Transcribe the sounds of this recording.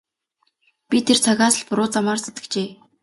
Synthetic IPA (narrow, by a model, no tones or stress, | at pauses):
pʲit̪ʰert͡sʰaɣaːsə̆ɮpʊɾʊːt͡samaːrse̥t̪ɘ̥̆kt͡ɕeː